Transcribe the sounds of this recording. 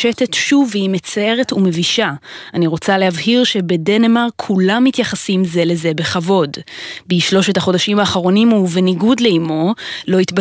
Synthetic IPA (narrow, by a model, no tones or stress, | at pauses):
ete̞tʃuvimet͡sae̞ʁe̞tume̞viʃaaniʁo̞t͡salehavhiʁʃe̞bede̞nemaʁkʰulamːitjaχasimze̞le̞ze̞be̞χavo̞dbiiʃlo̞ʃe̞thaχo̞daʃimaːχaʁo̞nimuveniɡudleimo̞lo̞itba